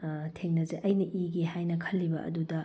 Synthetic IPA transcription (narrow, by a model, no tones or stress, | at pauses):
tʰeŋnɐzeʔɐjnɐʔiɡihajnɐkʰɐlːibɐʔɐ̰dudɐ